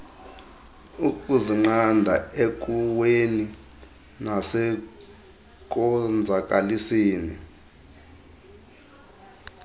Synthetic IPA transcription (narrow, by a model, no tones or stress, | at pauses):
ukʼuziŋ͡ǃandʱa̰ek̬ʼuweni | nasɛ | k̬ʼɔnd͡zʱak̬ʼalisiːni